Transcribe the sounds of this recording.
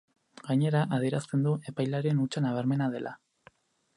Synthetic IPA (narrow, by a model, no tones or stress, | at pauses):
ɡaɲe̞ɾaʔað̞ieɾast̪e̞nd̪ue̞pajlaɾe̞nut͡ʃanaβ̞aɾme̞naðe̞lʔa̰